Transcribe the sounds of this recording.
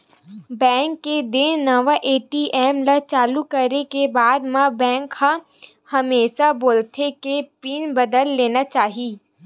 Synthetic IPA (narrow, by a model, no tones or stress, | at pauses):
bɛ̃ːŋkːed̪ɪnnɐʋaʔeːʈiʔɛːmlat͡ʃaːlukɐɾekebaːd̪mãbɛ̃ːŋkha | hɐmeːʃaboːlt̪ʰekepinbəd̪əlːeːnat͡ʃaːɦiː